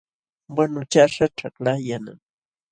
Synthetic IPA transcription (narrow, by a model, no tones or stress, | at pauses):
wanʊt͡ʃaʂaʈ͡ʂaklajana̰ŋ